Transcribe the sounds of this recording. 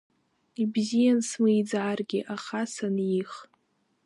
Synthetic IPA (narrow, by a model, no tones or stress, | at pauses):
ibzijansmɨjd͡zaːrɡʲɪʔaχasanjiχ